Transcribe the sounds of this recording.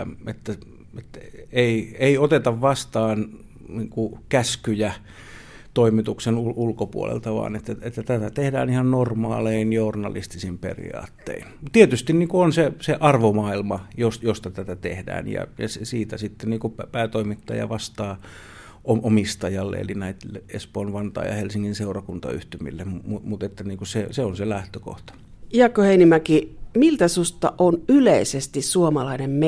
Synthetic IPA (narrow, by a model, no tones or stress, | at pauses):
et̪ːæ | et̪eieiot̪et̪ɑʋʋɑst̪ɑːn | niːŋkukæskyjæ | t̪oimit̪uksenuulkopṵo̰lḛlt̪ɑʋɑ̰ːnet̪ːæet̪ːæt̪æt̪æt̪ehdæ̰ːnihɑnnormɑ̰ːleinjoornɑ̰lḭst̪isimpḛrḭɑ̰ːt̪ːḛint̪iet̪yst̪inniːŋkuonseseʔɑrʋomɑːilmɑjosjost̪ɑt̪æt̪æt̪ehdæ̰ːnjɑ̰jɑsesiːt̪æsit̪ːeniːŋkupæpæːt̪oimit̪ːɑ̰jɑ̰ʋɑst̪ɑː | oʔomist̪ɑjɑlːḛḛlinæit̪leespoːnʋɑnt̪ɑ̰ːjɑ̰helsiŋːinseurɑkunt̪ɑ̰y̰ht̪ymḭlːemumut̪et̪ːæniːŋkuseseonselæht̪øko̰ht̪ɑ̥ | jɑkːoheinimækimilt̪æsust̪ɑ̰ʔonyleisest̪issuomɑlɑinemme